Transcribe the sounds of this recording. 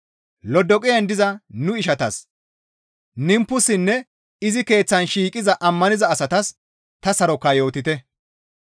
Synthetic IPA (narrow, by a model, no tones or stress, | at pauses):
lɔd̪ɔkʼɪjɐnd̪ɪzɐnʊɪʃɐt̪ɐs | nɪmpːʊsɪnːɛ | ɪzɪke̞ːt͡sːɐnʃiːkʼɪzɐʔɐmːɐnɪzɐːsɐt̪ɐs | t̪ɐsɐɾɔkːɐjo̞ːt̪ːɪt̪ɛ